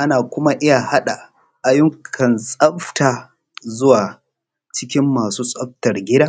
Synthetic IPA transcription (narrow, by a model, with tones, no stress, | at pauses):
ʔa˦naː˨kʷʊ˦ma˦ʔɪ˦ja˨ha˦ɗa˨ | ʔa˨jʊ˦ŋkʰɐ˨nsʼɐ˦ɸtaː˨ | zʊ˦waː˨ | t͡ʃɪ˦kʲɪ˦mːaː˨suː˦sʼɐ˦ɸ̚tɐ˨rɡʲɪ˦daː˦